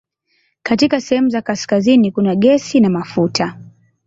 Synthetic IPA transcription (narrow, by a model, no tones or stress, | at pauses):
katikasɛhɛmuzakaskazinikunaɠɛsinamafutʰa